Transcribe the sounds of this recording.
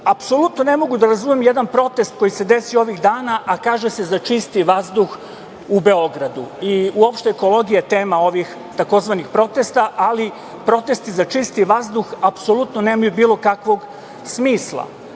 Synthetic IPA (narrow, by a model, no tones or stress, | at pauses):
apso̞lut̪no̞ne̞mo̞ɡud̪aɾazume̞mjed̪anpɾo̞t̪e̞st̪̚ko̞jise̞d̪e̞sio̞ʋiɣd̪aːnaʔakaːʒese̞zat͡ʃist̪iʋazd̪ux | ube̞o̞ɡɾad̪uiuopʃt̪eeko̞lo̞ɡijat̪e̞ːmao̞ʋix | t̪ako̞zʋanixpɾo̞t̪e̞st̪aʔali | pɾo̞t̪e̞st̪izat͡ʃist̪iʋazd̪uxapso̞lut̪noneːmajubiːlo̞kakʋo̞ɡ | smiːslˠa̰